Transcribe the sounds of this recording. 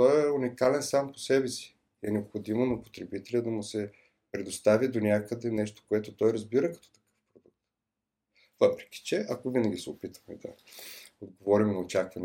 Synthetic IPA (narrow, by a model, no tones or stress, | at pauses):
t̪ɔɛunikalɛnsampo̥sɛbɛsi̥ | ɛnɛopxod̪imonɐpo̥t̪ɾɛbit̪ɛlʲəd̪ɐmusɛ | pɾɛd̪ost̪avid̪onʲakəd̪ɛnɛʃt̪o̥koɛt̪ʊt̪ɔjɾɐzbiɾəkɐt̪ɔ̥t̪ɐ̥kɤ̥fpɾod̪uk̚t̪ | vɤpɾɛ̥kʲi̥t͡ʃɛʔɐkovinəɡʲisɛopit̪ə̥xmɛd̪ɐ̰od̪ɡovɔɾimnɐot͡ʃakvɐnɛ